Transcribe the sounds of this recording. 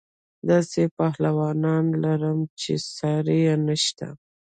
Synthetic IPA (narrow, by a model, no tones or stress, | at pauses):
d̪ɑsepɑhlawɑnɑnlaɾəmt͡ʃesɑɾejanəʃt̪a̰